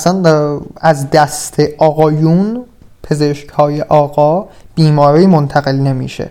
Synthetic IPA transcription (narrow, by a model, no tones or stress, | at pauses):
æsænæzd̪æst̪ʰeʔɒːɣɒːjun | pʰe̞zeʃchɒːjeʔɒːɣɒːb̥iːmɒːɾijmont̪ʰæɣe̞lne̞mḭːʃḛ